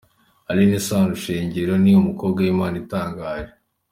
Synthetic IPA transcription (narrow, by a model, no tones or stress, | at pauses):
alinisaːnuʃeːɲɟeɾo̞nijumuko̞ːbɡawimaːnitaːŋɡaːʒe